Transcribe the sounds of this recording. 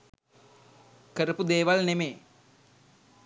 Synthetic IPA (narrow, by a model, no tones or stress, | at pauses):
kəɾəpud̪eːʋalnemeː